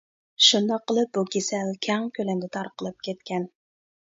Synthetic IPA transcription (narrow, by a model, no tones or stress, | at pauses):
ʃund̪ɑqːəlˠɨp̚bukʲesɛlkʲʰɛŋkʲʰølɛŋd̪ʲɛt̪ʰɑɾqəlˠɨp̚kʲʰɛt̪kʲʰɛn